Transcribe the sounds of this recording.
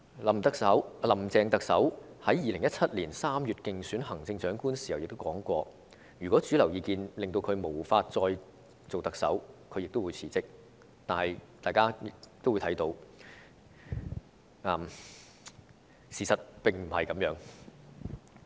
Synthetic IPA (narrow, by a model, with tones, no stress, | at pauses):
lɐ˨˩mt̪ɐ˨k̚sɐ˨˥wlɐ˨˩mt͡sɛː˧ŋt̪ɐ˨k̚sɐ˨˥whɐ˨˥jjiː˨lɪ˨˩ŋjɐ˥t̚t͡sʰɐ˥t̚liː˨˩nsaː˥mjyː˨t̚kɪ˨ŋsyː˨˥nhɐ˨˩ŋt͡sɪ˧ŋt͡ʃœː˨˥ŋkuː˥nsi̥˨˩hwjɪ˨k̚t̪o˥wkɔː˨˥ŋkʷɔː˧ | jyː˨˩kʷɔː˨˥t͡syː˨˥lɐ˨˩wjiː˨˧kiː˧nlɪ˨ŋt̪o˧wkʰɵ˨˧ɥmo˨˩wfaː˧t̚t͡sɔː˧j | t͡so˨wt̪ɐ˨˩k̚sɐ̰˨˥wkʰɵ˨˧ɥjɪ˨k̚t̪o˥wu˨˧jt͡sʰiː˨˩t͡sɪ˥k̚ | t̪aː˨˩nhɐ˨jt̪aː˨jkaː˥ɪ˨t̪o˥wːt̪ʰɐ˨˥jt̪o˧w | ʔɐː˨m | siː˨˩sɐ˨t̚pɪ˨˩ŋm̩˨˩hɐ˨jkɐ˨˥mjœː˨˥ŋ